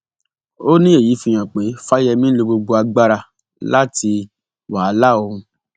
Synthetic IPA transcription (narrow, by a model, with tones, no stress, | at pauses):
o˦nĩ˦e˦˨ji˨˦fĩ˧j̃ã˨k͡pe˨˦fa˦jɛ˧mĩ˦lo˧bo˧ɡ͡bo˧a˧ɡ͡ba˦ɾa˧ | la˦tʰi˧ | wa˨a˨˦la˦˨o˧hũ˧